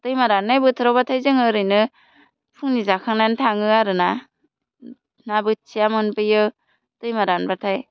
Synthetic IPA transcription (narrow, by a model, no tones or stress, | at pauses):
tɯjmaɾanːajbɯtʰɯɾawbatʰajzɯŋɯɾɯjnɯ | pʰɯŋnizakʰaŋnajntʰaŋɯaɾɯna | nabɯt͡ʃijamɯnpɯjɯ | tɯjmaɾanbatʰaj